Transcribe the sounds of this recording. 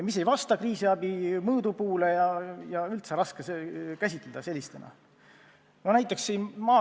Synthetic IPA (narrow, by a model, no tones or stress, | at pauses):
mise̞jvɑst̪ɑkriːsiɑb̥imɤːd̪upuːlejɑjɑylt̪seɾɑskesekæsʲit̪ːˑled̪̥ɑse̞lʲːist̪enɑ̰ | nonæjt̪ːˑe̞ksːiːnmɑː